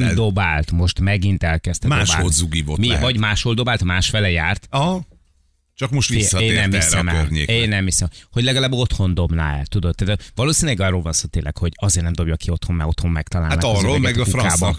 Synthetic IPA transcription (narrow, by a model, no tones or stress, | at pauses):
d̪o̞baːlt̪mo̞ʃt̪mɛɡint̪ɛlkɛst̪ɛmadːʃbaːolzuɡiːvotmiɦvɒɟmaːʃhold̪o̞baːlt̪maːʃfɛlɛjaːrt̪ɒɦ | t͡ʃɒkmoʃt̪ʋisːeːnnɛmisɛmɛørɲeːkeːnːɛmɦisɛmho̞ɟlɛɡɒlaːbo̞t̪ho̞nd̪o̞bna̰ɛ̰lt̪ud̪o̞d̪ːaːt̪vɒloːsinilɛɡɒrːolvɒnsoːt̪eːnlɛ̰kho̞ɟɒzeːrnɛmd̪o̞bjɒkio̞t̪homːɛo̞t̪ho̞mːɛkt̪ɒlaːlanaɔroɛɡkufrkaːbɒ